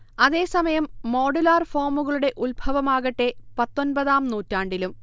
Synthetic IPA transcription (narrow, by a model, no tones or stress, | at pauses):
ɐðe̞ːsɐmɐjɐmːo̞ːɖulaːrfo̞ːmuɣɐɭuɽe̞ʔulbʱɐʋɐmaːɣɐʈːe̞pɐt̪ːo̞nbɐðaːmnuːtːaːɳɖilum